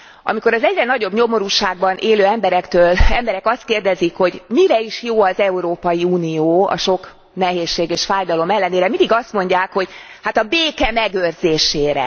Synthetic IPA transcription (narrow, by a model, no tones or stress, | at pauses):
ʔɒ̰miko̞ɾɒzɛɟrɛnɒɟo̞bɲo̞mo̞ɾuːʃaːɡ̚bɒnʔeːløːɛmbɛɾɛkt̪øːlɛmbɛɾɛkɒst̪̚keːrd̪ɛzikho̞ɟmiɾɛiʃjoːɒzɛuɾoːpɒjiuːnijoːɒ̰ʃo̞k | nɛɦeːʃːeːɡeːʃfaːjd̪ɒlo̞mɛlːɛneːɾɛmind̪iɡɒst̪mo̞ɲɟaːkho̞ɟhat̪ɒbeːkɛmɛɡørzeːʃeːɾɛ̰